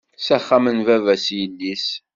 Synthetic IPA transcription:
sæχːæmənvævæsjəlːis

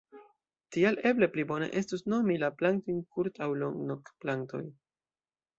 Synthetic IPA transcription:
tiale̞ble̞plibo̞ne̞̰ʔe̞stusno̞milaplaŋk̚tojnkuɾtawloŋɡnokplaŋ̚to̞̰j

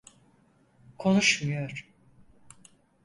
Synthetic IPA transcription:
kʰo̞nuʃmujoɾ̥

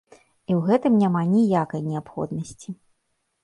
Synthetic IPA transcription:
iwɣɛt̪ɨmnʲamanʲijakɐjnʲɛapxɔ̰d̪nɐsʲt͡sʲi

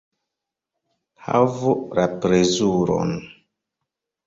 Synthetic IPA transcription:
ha̰vulapɾezuɾo̰n

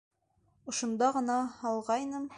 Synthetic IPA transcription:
ŏʃŏnd̪ɑʁɤ̆nɑhɒlˠʁɑjnɤm

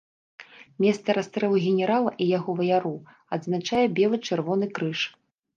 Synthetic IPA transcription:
mʲɛst̪sɐɾast̪ɾɛlˠuɣʲɛnʲɛɾalˠɐʔijaɣɔvɐjaɾɔ | ɐd̪znat͡ʂajɛbʲɛlˠɨt͡ʂɨrvɔnɨkɾɨʂ

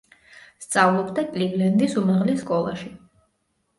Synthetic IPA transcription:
st̪sʼavlˠɔbd̪akʼliɡlɛnd̪isumaʁlisːkʼɔlˠa̰ʃi

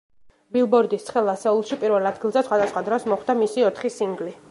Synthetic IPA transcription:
bilˠbɔɾd̪ist̪ʰχɛlˠasɛulˠʃipʼiɾvɛlˠad̪̚ɡilˠzɛsχwad̪asχwad̪ɾɔsmɔχwd̪amisiɔt̪ʰχisiŋɡli

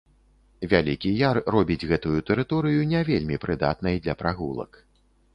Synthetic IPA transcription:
vʲalʲikʲijarːɔbʲid͡zʲɣɛt̪ujut̪ɛɾɨt̪ɔɾɨjunʲɛvʲelʲmʲipɾɨd̪a̰t̪̚nɐjd̪lʲɐpɾaɣulˠɐ̰k

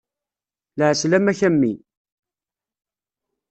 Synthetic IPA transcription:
lʕəslæmæçæmːi

